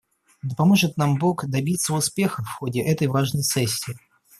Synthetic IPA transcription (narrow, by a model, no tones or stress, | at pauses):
d̪əpɐmo̞ʐɨt̪nambo̞kd̪ɐbʲit̪sːəʊspʲe̞xəfxodʲɪʔɛt̪əjvaʐnəjsɛsʲːɪː